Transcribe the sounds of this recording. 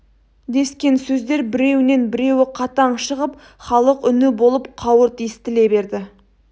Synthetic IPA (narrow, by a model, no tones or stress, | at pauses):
d̪e̞skʲe̞nsɵzd̪e̞ɾbɪɾe̞wɪne̞nbɪɾe̞wɪqʰɑt̪ɑɴʃəʁəp̚ | χɑlˠəqʏnɪbo̞lˠəpqʰɑwəɾt̪ʰijɪst̪ɪle̞be̞ɾd̪ɪ